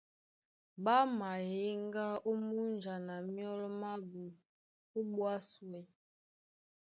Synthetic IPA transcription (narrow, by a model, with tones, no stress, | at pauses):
ba˦ma˨je˦ŋɡa˦o˦mu˦n˨d͡ʒa˨na˨mjɔ˦lɔ˦ma˦bu˨ | o˦ɓwa˦swɛ˨˦